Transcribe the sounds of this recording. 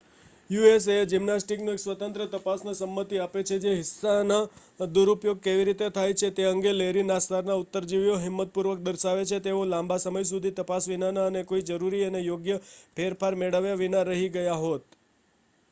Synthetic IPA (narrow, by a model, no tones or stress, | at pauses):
jues̬ed͡ʒimnasʈiknoeksʋət̪ənt̪ɾət̪əpasnasəmːət̪iapet͡ʃʰed͡ʒeɦɪsːana | d̪uɾupjoɡ̚keʋiɾit̪et̪ʰajt͡ʃʰet̪eəŋɡeleɾinast̪aɾnaut̪ːəɾd͡ʒiʋjoɦɪmːət̪̚puɾʋək̚d̪əɾʃaʋet͡ʃʰet̪eolãmbasəməjs̬ud̪ʱit̪əpasʋinanaənekoid͡ʒəɾuɾiənejoɡjəpʰeɾpʰaɾmeɽəʋjaʋinaɾəɦiɡəjaɦot̪